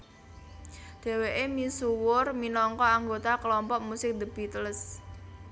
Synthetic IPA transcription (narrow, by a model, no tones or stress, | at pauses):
d̪̥e̤weʔemisuwʊrminɔŋkɔaŋɡot̪aklɔmpɔʔmusɪk̚d̪ə̤b̥i̤t̪əls